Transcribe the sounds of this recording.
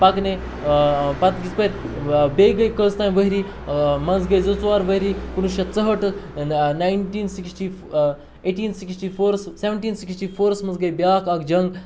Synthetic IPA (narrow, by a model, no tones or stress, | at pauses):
pɐkne | pɐt̪ɡit͡spəɾʲbeɡɐjkəst̪aːj̃ʋəɦiɾi | mɐnzɡɐjzɐt͡sʋaːɾʋəɦiɾikunuʃɐt͡səɦəʈɨnajnʈiːnsiksʈi | eʈiːnsiksʈifoːɾsseʋəɳʈiːnsiksʈiːfoːɾsmɐnzɡɐjbjaːkɐkd͡ʒɐŋɡ